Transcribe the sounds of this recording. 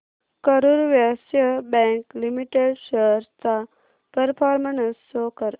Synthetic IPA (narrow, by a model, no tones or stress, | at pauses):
kəɾuɾʋjasjəbɛ̃ŋklimiʈeɖɕəɾt͡sa | pəɾpʰaːɾmənəsːokəɾ